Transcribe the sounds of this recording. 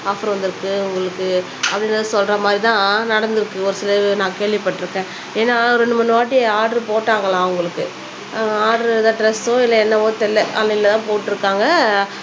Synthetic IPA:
aːfɐɾɐ̃ʋɐnd̪ɪɾɯkːɯʊŋɡɐɭɯkːɯ | ɐpːɐɽɪnɐðɯsɔlrɾɐmaːd̪ɾit̪ãːnɐɽɐnd̪ɯɾɯkːɯɔɾɯsɪlɐʋnãːkeːɭʋɪpːɐʈːɪɾɯkːẽː | eːnːaːɾɛɳɖɯmɐnːɯʋaːʈːɪaːʈɐɾɯpoːʈːaːŋɡɐlãːʊŋɡɐɭɯkːɯ | aːɖɾðɐʈɾɛsoːɪlːɐɛnːɐʋoːt̪ɛlːɛʔɐlːɐɪlɐt̪ãːpoːʈːɪɾɯkːaːŋɡɐ

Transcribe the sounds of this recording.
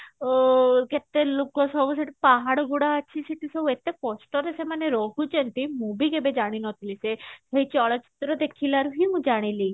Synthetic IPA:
ket̪elokɔsɔbuseʈipaɦaɽɔɡuɽaːt͡ʃʰiseʈisɔbet̪ekɔsʈɔɾesemaneɾɔɦut͡ʃent̪imũbiɡebed͡ʒaɽ̃inɔt̪ʰilisesejt͡ʃɔɭat͡ʃi̥t̪ɾɔd̪ekʰilaɾuɦimũd͡ʒaɽ̃ili

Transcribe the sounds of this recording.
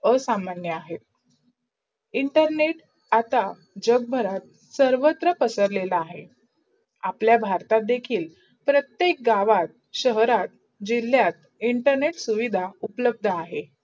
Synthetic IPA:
əsamanjəaɦet̪̚ | iɳʈəɾneʈ | at̪a | d͡ʑəɡ̚bʱəɾat̪̚ | səɾʋət̪ɾəpəsəɾlelaːɦe | apljabʱaɾt̪at̪̚d̪ekʰiːl | pɾət̪jek̚ɡaʋat̪̚ | ɕəɦɾat̪̚ | d͡ʑil̤ːjat̪ | iɳʈəɾneʈsuʋid̪ʱaupləb̚d̪ʱəaɦe

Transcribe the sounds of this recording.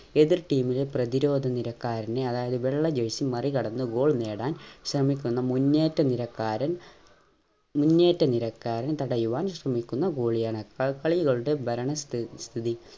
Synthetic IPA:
e̞ðirʈiːmileprɐðiɾo̞ːd̪ʱɐniɾɐkːaːɾɐneɐðaːjɐðɨʋeɭːɐd͡ʑɐjsimɐrikɐɽɐnːɨɡo̞ːɭne̞ːɽaːnɕrɐmikʲːunːɐmunːeːtːɐniɾɐkːaːɾɐn | munːe̞ːtːɐniɾɐkːaːɾɐnt̪ɐɽɐjuʋaːnɕrɐmikʲːunːɐɡoːɭijaːɳɨkɐɭkɐɭɐjuɣɐɭuɽe̞bʱɐɾɐɳɐst̪st̪ʰiði

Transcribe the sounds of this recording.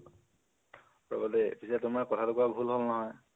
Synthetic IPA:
pɹɔ̰ɡɔtɛpisɛtʊmaɹkɔtʰatokuabʱulɦolnɔɦɔj

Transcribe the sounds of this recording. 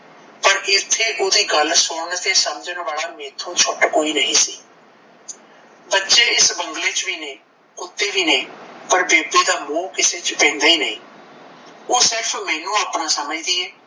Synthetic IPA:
pəɾɪt̪ʰːeːʔoːd̪iːɡəlsʊnt̪eːsəməd͡ʒnʋaːlaːmeːt̪ʰːũːt͡ʃʰʊʈkoːiːnəɦĩːsḭː | bətːʃeːɪsbəŋɡleːt͡ʃʋiːnẽː | ʊt̪ːeːʋiːnẽːpəɾbeːbeːd̪aːmũːkɪseːt͡ʃpɛ̃ːnd̪aːiːnə̰ĩː | oːsɪɾpʰmɛ̃ːnũːaːpnãːsəməd͡ʒd̪iːɛː

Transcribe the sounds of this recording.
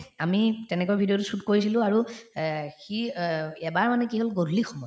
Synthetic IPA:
amitɛnɛkojbʱidijotusutkoɹisilʊ̃aɹu | xiɛbaɹmanɛkiɦolɡodlixɔmɔj

